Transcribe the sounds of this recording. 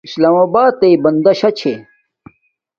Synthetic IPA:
islaːmɐbaːt̪ːeibɐnd̪ɐɕɐt͡ɕʰe

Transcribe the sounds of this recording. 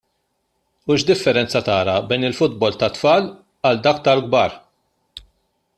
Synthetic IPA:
uʃd̪ɪfːɛɾɛnt͡sɐt̪ɐːɾɐbɛjnɪlfʊd̪̚bɔlt̪ɐt̪fɐːl | ɐld̪ɐk̚t̪ɐlɡbɐːɾ

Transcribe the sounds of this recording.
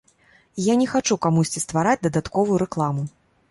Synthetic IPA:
janʲɛxat͡ʂukamusʲt͡sʲist̪vaɾad͡zʲd̪ɐd̪at̪kɔvujuɾɛklˠamu

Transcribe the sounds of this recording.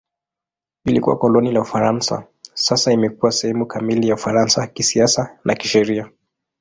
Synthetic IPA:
ilikṵwa̰kɔlɔnilaufaɾansa̰ | sasaimɛkuwasɛhɛmukamilijaufaɾansakisiasanʔakiʃɛɾia

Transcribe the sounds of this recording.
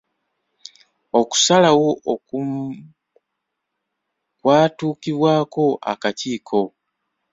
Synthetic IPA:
oku̥salawo̞ | kwaːtuːkiβwaːko̞ʔa̰katiːkʰo̞

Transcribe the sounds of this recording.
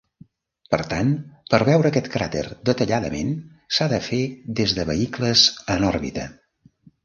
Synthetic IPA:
pəɾt̪anpəɾβɛwɾəːkɛt̪kɾat̪ḛrd̪ət̪əʎaðəmḛn | saðəfeðezðəβəikləzənɔɾβḭt̪ə

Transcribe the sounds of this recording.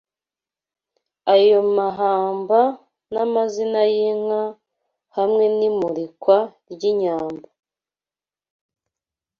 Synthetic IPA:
ajo̞maɦaːmba | namazinajiŋ̥a | hamŋe̞nimuɾikwaɾɟiɲaːmba

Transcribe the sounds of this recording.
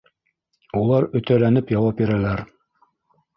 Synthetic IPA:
ulˠɑɾɵ̆t̪ælænɘpjɑwɑpbiɾælæɾ

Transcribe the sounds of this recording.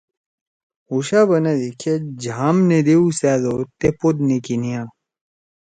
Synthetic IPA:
uɕabɐnɐd̪ekʰed͡ʑʱaːmned̪eusaːd̪ot̪epod̪̚nekinijã

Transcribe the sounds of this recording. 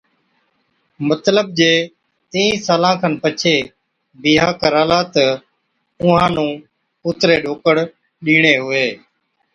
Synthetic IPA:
mət̪ləb̚d͡ʒeː | t̪eːĩːsaːlãːkʰənpət͡ʃʰeː | biːɦaːkəɾaːlaːt̪ə | ʊ̃ɦãːnũː | ʊt̪ɾeːɗoːkəɽ | ɗiːɳ̃eːɦʊeː

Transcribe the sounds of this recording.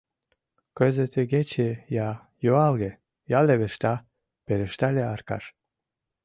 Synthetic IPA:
køzet̪ʰeɡet͡ɕejɑ | joɑlɣe | jɑleβeʃt̪ɑ | peɾeʃt̪ɑlʲeɑɾkɑ̰ʃ

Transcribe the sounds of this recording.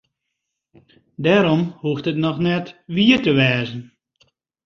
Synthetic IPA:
dɛːɾɔmhuəxtətnɔxnɛtʋiətəʋɛːzən̩

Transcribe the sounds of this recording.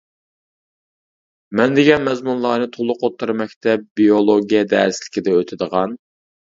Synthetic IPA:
mɛnd̪eɡʲɛnmɛzmunlˠɑːnɨt̪ʰolˠʊqʰot̪ʰːɨɾmɛkʲt̪ʰɛp̚biolˠoɡʲijɛd̪æɾsɪlɪ̥kʲid̪ɛøt̪ʰɪd̪əʁɑn

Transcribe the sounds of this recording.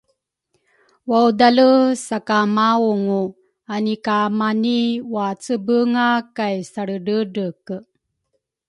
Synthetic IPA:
wawdaləsakamauŋu | anikamaniwat͡səbəŋakajsaɭəɖəɖək

